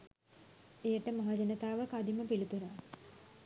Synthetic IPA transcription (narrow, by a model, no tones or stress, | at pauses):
ejəʈəmaɦad͡ʒenət̪aːʋəkad̪iməpilut̪uɾa